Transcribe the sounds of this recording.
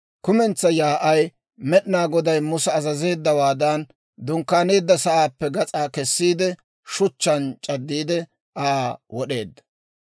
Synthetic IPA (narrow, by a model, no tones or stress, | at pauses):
kʊmɛnt͡sːɐjaːʔɐj | mɛɗɪnaːɡɔd̪ɐjmʊsɛːzɐze̞ːd̪ːɐwaːd̪ɐn | d̪ʊŋkːaːneːd̪ːɐsɐʔaːpːɛɡɐt͡sʼaːkɛsːiːd̪ɛ | ʃʊt͡ʃːɐnt͡ʃʼɐd̪ːiːd̪ɛ | ʔaːwɔɗe̞ːd̪ːɐ̥